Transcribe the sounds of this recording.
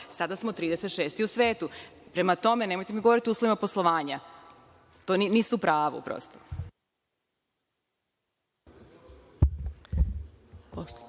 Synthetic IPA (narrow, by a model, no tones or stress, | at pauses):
sad̪asmot̪ɾiːd̪eset̪ʃeːst̪iusʋe̞ːt̪upɾe̞mat̪o̞me̞nemo̞jt̪emiɡoo̞ɾit̪iouːslˠoʋimaposlˠoʋaːɲa | t̪oninist̪upɾaːʋṵpɾo̰ːst̪o